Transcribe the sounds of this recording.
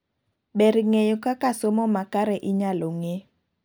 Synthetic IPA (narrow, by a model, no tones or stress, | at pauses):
ɓɛɾiŋejɔkakasomɔmakaɾɛʔiɲaloŋe